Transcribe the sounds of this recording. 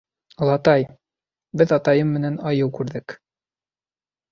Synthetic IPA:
lˠɑt̪ɑj | bɘðɑt̪ɑjɤmːɘ̆nænɑjɤwkʉɾðɘk

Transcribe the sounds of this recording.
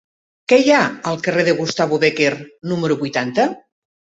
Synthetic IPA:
kɛjaəlˠkəreðəɣust̪aβuβekernuməɾuβujt̪ant̪ə

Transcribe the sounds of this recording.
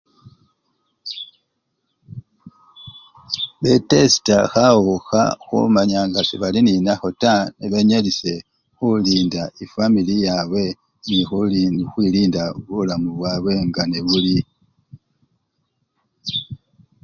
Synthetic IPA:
βetesi̥taxawoxa̰xṵmaɲaŋɡasiβalininaxotaneβe̞ɲalise̞ | xuliːndaʔifamilijaβwe̞ | nixxwiliːndaβulamuβwaːβwe̞ŋɡaneβuli

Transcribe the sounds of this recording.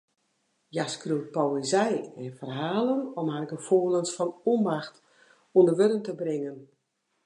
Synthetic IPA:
jaskruwt̚poezɛjɛnfərɦaːlənɔmharɪkəfoəlˠənsfɔnombaxt | undəʋøɾəntəbrɪŋən

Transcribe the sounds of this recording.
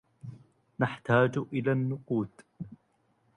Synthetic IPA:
naħt̪aːd͡ʒʔɪlaːnːʊquːt̪

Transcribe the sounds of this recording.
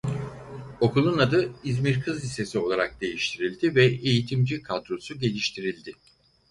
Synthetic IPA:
o̞kʰulˠunad̪ɯizmiɾkʰɯzise̞sio̞lˠaɾak̚d̪e̞jiʃt̪ʰiɾilʲd̪ivɛejit̪ʰimd͡ʒikʰad̪ɾo̞suɟe̞lʲiʃt̪ʰiɾilʲd̪ɪ

